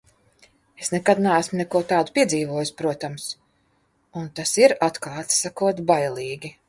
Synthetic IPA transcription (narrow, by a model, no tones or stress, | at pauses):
esnɛkad̪naæsmʊnɛkuɔt̪aːd̪upʲiɛziːvuɔjuspɾuɔt̪ams | unt̪asiɾat̪kaːt̪ssakuɔt̪bajlʲˠiːɡʲi